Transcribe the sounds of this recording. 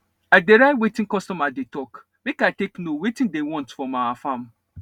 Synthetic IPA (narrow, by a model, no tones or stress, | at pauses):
aɪdeɾaɪwetĩnkɔstɔmadetɔk | mekaɪteknowetĩndewɔ̃ntfɔmawafãm